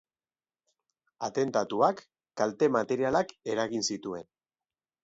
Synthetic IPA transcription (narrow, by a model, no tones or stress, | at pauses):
at̪e̞nt̪at̪uakː | alt̪e̞mat̪e̞ɾialake̞ɾaɣinsit̪ue̞n